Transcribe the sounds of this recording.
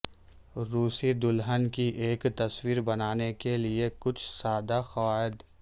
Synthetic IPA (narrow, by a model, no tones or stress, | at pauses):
ɾuːsid̪ʊlɦənkiʔeːkt̪ɐswiːɾbɐnaːnekeliekʊt͡ʃʰsaːd̪axɐwaːɪd̪